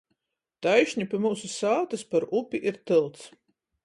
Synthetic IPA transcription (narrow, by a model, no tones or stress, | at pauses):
t̪ajʃɲʲipʲimuːsusaːt̪aspaɾupʲiʔiɾt̪ɨlˠt̪s